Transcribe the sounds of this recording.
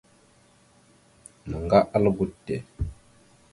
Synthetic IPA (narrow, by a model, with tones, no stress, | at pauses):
mə˨ŋɡa˦ʔa˦lɡu˦˨tːe˨